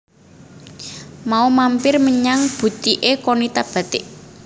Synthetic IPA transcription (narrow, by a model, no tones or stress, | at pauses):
maumampɪrməɲaŋb̥ṳt̪iʔekonit̪ab̥a̤t̪ɪʔ